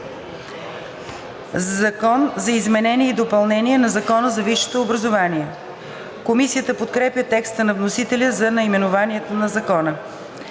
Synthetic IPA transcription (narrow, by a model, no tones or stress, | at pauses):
zɐkɔnzɐizmɛnɛniɛid̪opɐlˠnɛniɛnɐzɐkɔnəzɐviʃo̥t̪oːbɾɐzovaniɛ | komisijət̪əpot̪kɾɛpʲjət̪ɛkst̪ənɐvnosit̪ɛlʲəzɐnɐimɛnovaniɛt̪onɐzɐkɔnə